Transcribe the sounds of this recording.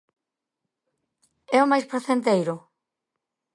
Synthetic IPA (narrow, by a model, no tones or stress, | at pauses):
ɛʊmajspɾoθent̪̬ejɾʊ